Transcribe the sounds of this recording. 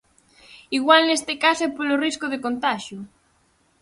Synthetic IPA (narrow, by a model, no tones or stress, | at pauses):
iɣwalnest̪ekasoɛpoloriskʊðekont̪aʃjʊ